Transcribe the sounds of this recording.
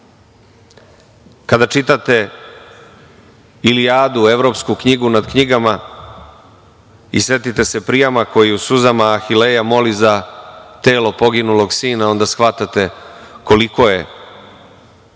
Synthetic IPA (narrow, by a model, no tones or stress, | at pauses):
kad̪at͡ʃit̪at̪e̞ | iliaːd̪ueʋɾo̞pskukɲiɡunad̪kɲiɡama | isʋe̞t̪it̪e̞se̞pɾijamako̞jiusuzamaːxilejamo̞lizat̪e̞ːlo̞po̞ɡinulo̞ɡsiːnao̞nd̪asxʋat̪at̪e̞ko̞liko̞je̞